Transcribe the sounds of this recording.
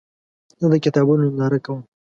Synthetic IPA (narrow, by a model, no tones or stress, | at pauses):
zəd̪əkɪt̪ɑbunonɑɾakawəm